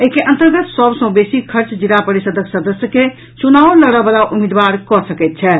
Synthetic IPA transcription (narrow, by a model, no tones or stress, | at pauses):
əɦikeʔə̃nt̪əɾɡət̪səbsə̃besikʰəɾt͡ʃd͡ʒilapəɾisəd̪ʱəksəd̪əsjəke | t͡ʃunawləɽəbəlaʔumid̪baɾkɔsəkɛt̪̚t͡ʃʰɛ